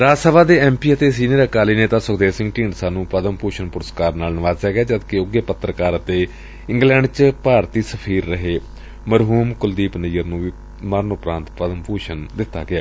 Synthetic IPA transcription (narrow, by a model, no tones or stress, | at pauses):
ɾaːsəʋaːd̪eːɛːmpiːət̪eːs̬iːniəɾəkaːliːneːt̪ãːsʊɡd̪eːsɪ̃ŋɡʈĩːɳɖsaːnũːpəd̪əmpuːʃənpʊɾəskaːɾnaːlnəʋaːzɛːɡɪaːd͡ʒəd̪kɪʊɡeːpət̪ːɾəkaːɾət̪eː | ɪ̃ŋɡlɛ̃ːɳɖt͡ʃpaːɾt̪iːsəpʰiːɾːəɦeː | məɾɦuːmkʊld̪iːpnəjəɾnũːʋiː | məɾnʊpɾãːnt̪pəd̪əmpuːʃənd̪ɪt̪ːa̰ːɡɪa̰ː